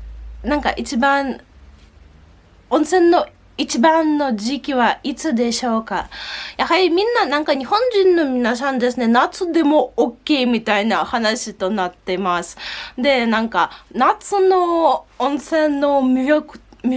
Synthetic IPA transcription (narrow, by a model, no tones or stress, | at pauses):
nãŋka̰ʔit͡ɕibã | õɰ̃sẽ̞nːo̞ | it͡ɕibãnːo̞ʑikʲiβait͡sɨd̪e̞ɕo̞ːkajahaɾʲimʲĩnːanãŋkaɲ̟ihõ̞ɲ̟d͡ʑĩnnːo̞mʲinas̬ãnd̪e̞sɨne̞nat͡sɨd̪e̞mo̞ːkʲːe̞ːmʲit̪ainahanaɕit̪o̞nat̪ːe̞masɨ̥d̪e̞nãŋkanat͡sɨno̞õɰ̃sẽ̞nːo̞mʲokmʲ